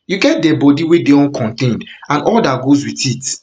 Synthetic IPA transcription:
juɡɛt̚dɛbɔdiwedeɔ̃nkʰɔ̃ntẽndãnɔldatɡozwitit

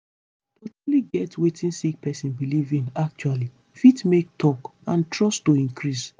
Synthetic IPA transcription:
totuliɡɛtwetĩnsik̚pɛsĩnbilivĩŋak̚t͡ʃuali | fitmek̚tʰɔkãntɹɔstoĩnkɹis

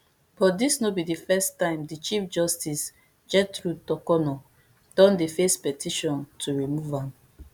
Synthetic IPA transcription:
b̥ɔdisnobidifɛstãɪ̃mdit͡ʃifd͡ʒɔstis | d͡ʒɛtɹutɔkɔnɔ | d̥ɔ̃ndifespɛtʰiʃɔ̃ntʰuɹimuvãm

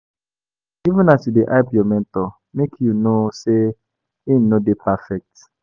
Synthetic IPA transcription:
ivũnasudeʔaɪpiɔmɛ̃ntɔ | mekʰjunose | in̩ːodepafɛk̚t

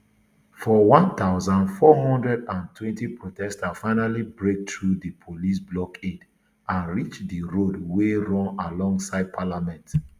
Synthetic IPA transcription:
fɔwɔ̃nt̪aʊzãnfɔɦɔ̃ndɹɛdãntʰwɛ̃ntipʰɹotɛstafaɪnalibɹek̚tɹudipʰolisblɔked | ãnɹit͡ʃdiɹodweɹɔ̃nalɔ̃ŋsaɪd̚pʰalamɛ̃nt

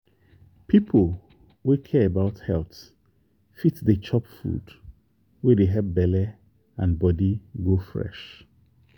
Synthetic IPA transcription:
pʰipʰəl | wekʰɛəbaʊthɛlt | fitdet͡ʃʰɔpfṵd | wedeɦɛp̚bɛlɛ | ãnbɔdiɡofɹɛ̰ʃ

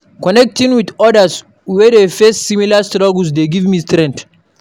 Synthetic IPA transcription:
kɔnɛk̚tĩŋwid̪ɔdas | wɛdefɛstsimilastɾɔɡls̬d̪eɡivmistɾɛ̃nt

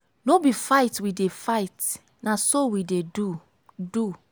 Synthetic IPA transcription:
nobifaɪtwidefaɪt | nasowidedu | du

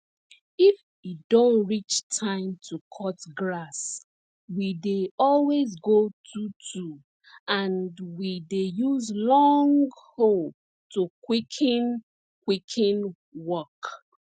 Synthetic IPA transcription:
if | idõntɹit͡ʃtʰãɪ̃mtʰukʰɔtɡlas | wideɔlwezɡotʰutʰu | ãndwidejuzlɔŋɡhol | tukwikʰĩn | kwikʰĩn | wɔk

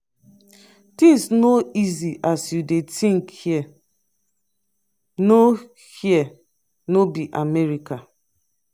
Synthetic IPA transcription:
tĩsnoiziʔasjudetʰĩŋkhiɛ | no | hiɛ | nobiʔamɛɹika

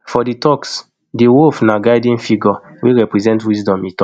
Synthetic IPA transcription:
fɔditʰɔks | diwofnaɡaɪdĩnfiɡɔwiɹɛpɹɛzɛ̃ntwisdɔ̃mitɔ

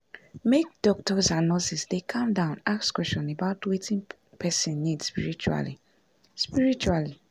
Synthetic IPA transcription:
mek̚d̥ɔk̚tɔsãnːɔsisdekʰãmdãʊ̃nakskwɛst͡ʃɔ̃nebaʊtwetĩn | pʰɛsĩnːidspiɹit͡ʃua̰li | spiɹit͡ʃuali

